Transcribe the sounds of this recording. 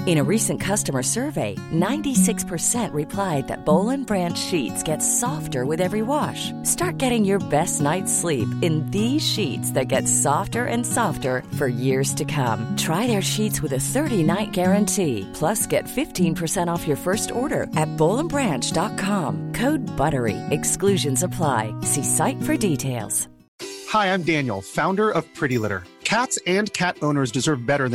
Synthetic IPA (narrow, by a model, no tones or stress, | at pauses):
ɨ̃ɾ̃ɨɹisɨ̃nkʰʌstɨmə˞sɜ˞veɪnãɪ̃ntisɪkspʰə˞sɛ̃nʔɹɨpʰl̥aɪd̪̚ðɨ̰t̚b̥oʊlˠə̃nbɹæ̃nt͡ʃʃitsɡ̥ɛtsɑftə˞wɨðɛvɹiwɑʃ | stɑɹt̚ɡ̥ɛɾɪ̃ŋjə˞bɛstⁿnaɪtslipɨ̃nðiz̥ʃitsðɨt̚ɡ̥ɛtsɑftə˞ʔɨ̃nsɑftə˞fə˞jɪɹz̥tʰɨkʰʌ̰̃mtʰɹ̥aɪðə˞ʃitswɨðɨθɜ˞ɾinaɪt̚ɡ̥ɛɹɨ̃ntʰipʰl̥ʌsɡ̥ɛtfɪftʰĩnpʰə˞sɛ̃ɾ̃ɔfjə˞fɜ˞stɔɹɾə̰˞ʔɨt̚b̥oʊlˠə̃mbɹæ̃nt͡ʃd̥ɑt̚kʰɑ̃mkʰoʊd̚bʌɾə˞ḭɨksklʉʒɨ̃nsəpʰl̥aɪsisaɪtfə˞ditʰeɪlˠz̥ | haɪãɪ̃mdæ̃njl̩ˠfãʊ̃ndə˞ʌv̥pʰɹ̥ɪɾilɪɾə̰˞kʰætsɨ̃nkʰæɾõʊ̃nə˞zdɨzɜ˞vbɛɾə˞ð̃